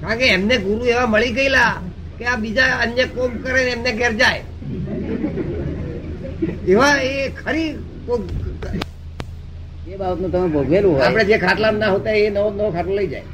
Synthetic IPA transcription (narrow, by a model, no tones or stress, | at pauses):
kãkeːmneɡuɾueʋaməɭiɡəila | keap̚bid͡ʒaənjəkomkəɾenemneɡʱeɾd͡ʒae | eʋaekʰəɾi | boɡ | ebabət̪nũt̪əmebʱoɡʱelũɦoaɽ̃ed͡ʒekʰaʈlamnaɦot̪aenənəkʰaʈloləid͡ʒa̰j